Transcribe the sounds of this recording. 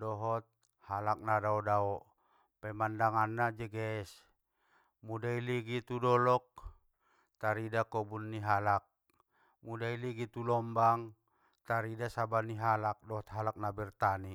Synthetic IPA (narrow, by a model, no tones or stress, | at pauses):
dɔɦɔt̪̚ | halak̚nadaɔdaɔ | pɛmandaŋanːad͡ʒɛɡɛs | mudailiɡit̪udɔlɔk̚ | t̪aɾidakɔbunːiɦalak̚ | mudailiɡit̪ulɔmbaŋ | t̪aɾidasabaniɦalak̚dɔɦɔt̪̚ɦalak̚nabirt̪ani